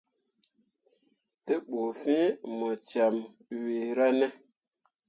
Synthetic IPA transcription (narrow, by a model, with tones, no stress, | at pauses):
te˦ɓo˨fĩ˦mɔ˨t͡ʃa˨m | wi˨ɾa˦ne˦